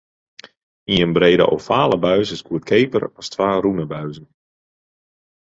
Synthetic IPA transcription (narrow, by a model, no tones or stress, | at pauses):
iənbreːdə̰ʔɔfaːləbœɥzəskuət̚kʰeːpə̰rɔstʰʋaːrunəbœɥzən